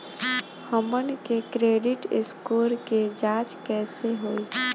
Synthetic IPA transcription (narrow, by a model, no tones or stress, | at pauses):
həmənkekɾeɖiʈɪskuɾked͡ʒãt͡ʃkɛseɦoːi